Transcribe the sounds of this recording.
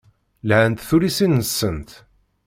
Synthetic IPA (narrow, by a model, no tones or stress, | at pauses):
lʕənt̪θuɾisinːəsːənt̪